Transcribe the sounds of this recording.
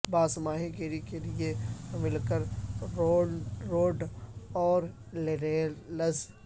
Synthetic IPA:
baːsmaːɦĩkeɾikeliemɪlkəɾ | oːɖɔːɾ | leɾelɐz

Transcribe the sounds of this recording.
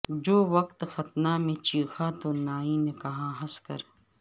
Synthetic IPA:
d͡ʒoːʋɐq̚t̪xɐt̪namẽt͡ʃiːxat̪onaːinekɐɦãɦɐskɐ̰ɾ

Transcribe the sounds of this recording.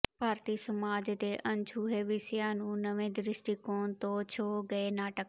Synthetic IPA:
bʱaːɾt̪iːsɐmaːd͡ʒt̪eːʔɐ̃nt͡ʃʰuːɦeːʋɪsjaːnũːnɐʋẽːd̪ɾɪsʈiːkoːnt̪ot͡ʃʰoːɡɐenaːʈək

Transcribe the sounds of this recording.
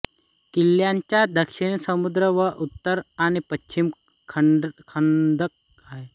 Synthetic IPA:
kilːjaɲt͡ɕjad̪ʱəkʂiɳsəmud̪ɾəʋəʔut̪ːəɾaɽ̃ipət͡ɕim | kʰkʰənd̪ək̚ | aɦe

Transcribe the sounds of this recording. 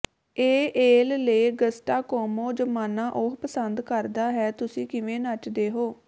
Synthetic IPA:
eːʔeːlleːɡəsʈaːkoːmoːd͡ʒəmaːnaːʔoɦpəsənd̪kəɾd̪aːɦɛːt̪ʊsĩːkɪʋẽːnat͡ʃd̪eːɦoː

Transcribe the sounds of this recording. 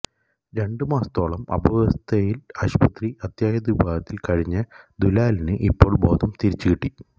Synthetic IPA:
ɾe̞ɳɖɨmaːst̪o̞ːɭɐmɐ̰bʱɐʋɐst̪ʰɐjilɐɕpɐt̪riɐt̪jaːjɐd̪ibaːɦɐt̪ːilkɐɻiɲːɐd̪ulaːlɐnɨʔipːo̞ːɭbo̞ːd̪ɐmt̪iɾit͡ɕːɨkiʈːi

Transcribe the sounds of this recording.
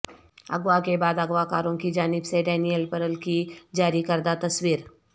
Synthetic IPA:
ɐ̰ɡwakebaːd̪ɐɡʋakaːɾõkid͡ʒaːnɪbseɖɛːnijəlpɐɾəlkid͡ʒaːɾikɐɾd̪at̪ɐswiːɾ

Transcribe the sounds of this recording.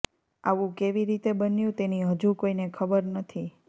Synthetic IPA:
a̰ʋũkeʋiɾit̪ebənjũt̪eniɦəd͡ʒũkoinekʰəbəɾnət̪ʰi

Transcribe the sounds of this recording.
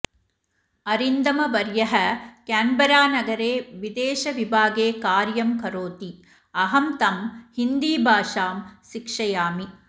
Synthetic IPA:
ɐɾind̪ɐmɐʋɐɾjɐɦɐkaːmbɐɾaːnɐɡɐɾeːʋid̪eːʃɐʋibʱaːɡeːkaːɾjɐmkɐɾoːt̪i | ɐɦɐmt̪ɐmhind̪iːbʱaːʂaːmʃikʂɐjaːmi

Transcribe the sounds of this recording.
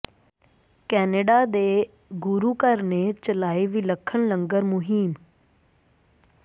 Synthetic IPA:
kɛːneːɖaːd̪eː | ɡʊɾuːkəɾneːt͡ʃəlaːiːʋiːləkʰːənləŋɡəɾmʊɦiːm

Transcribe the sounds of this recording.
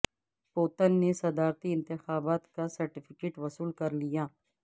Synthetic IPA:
poːt̪ənːesɐd̪aːɾt̪iɪ̃nt̪ɪxaːbaːt̪kasɐɾʈɪfʰɪkeːʈʋɐsuːlkɐɾlijaː

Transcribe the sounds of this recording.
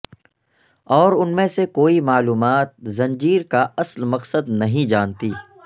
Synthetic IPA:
ɔːɾʊnmẽsekoːimaːluːmaːt̪̚zɐ̃nd͡ʒiːɾkaɐslmɐqsəd̪nɐɦĩd͡ʒaːnt̪iː

